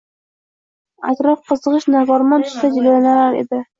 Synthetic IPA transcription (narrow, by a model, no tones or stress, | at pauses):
a̰t̪ɾɒfqɤzɤʁɨʃnavɒɾmɑnt̪ʰʊ̥ʃsad͡ʒillanalaɾḛd̪ɪ